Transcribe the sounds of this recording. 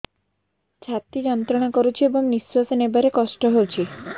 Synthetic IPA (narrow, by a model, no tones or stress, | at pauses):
t͡ɕʰat̪id͡ʒɔnt̪ɾɔɽ̃akoɾut͡ɕʰiebɔŋnisɾosnebaɾekɔʃʈɔɦowt͡ɕʰi